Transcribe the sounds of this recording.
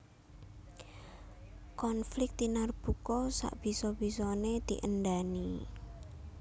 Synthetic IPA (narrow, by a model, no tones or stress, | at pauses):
kɔnflɪk̚t̪inarb̥ukɔsa̰ʔb̥i̤sɔb̥isɔned̪̥ḭʔənɖ̪ani